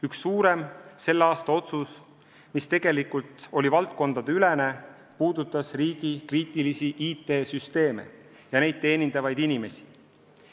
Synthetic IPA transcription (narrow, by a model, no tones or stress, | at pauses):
yksːuːɾe̞mse̞lːeɑːst̪ɑo̞t̪sus | mist̪e̞ɡ̥e̞likult̪o̞lʲivɑlt̪̚ko̞nd̪̥ɑd̪eyle̞ne̞ | puːd̪̥ut̪ːˑɑsriːɡ̥ikriːt̪ˑilisiʔiːt̪ːˑe̞ːsyst̪e̞ːme̞̰ | jɑne̞jd̪̥̚t̪e̞ːnind̪̥ɑvɑjd̪̥inime̞si̥